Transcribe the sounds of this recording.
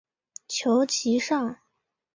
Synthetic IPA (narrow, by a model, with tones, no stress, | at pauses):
t͡ɕʰjo˧˥ʊt͡ɕʰi˧˥ʂɑ˥˩ŋ